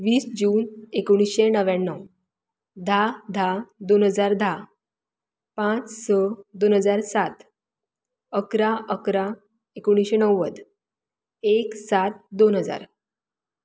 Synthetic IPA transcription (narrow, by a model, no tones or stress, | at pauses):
ʋiːsd͡ʑuːnekoɽ̃isɕenəʋanːəw | d̪ʱad̪ʱad̪onɦəd͡zaɾd̪ʱa | pãt͡ssəd̪onɦəd͡zaɾsat̪ | əkɾaʔəkɾa | ekoɽ̃iɕenəwəd̪ | eksat̪̚d̪onɦəd͡za̰ɾ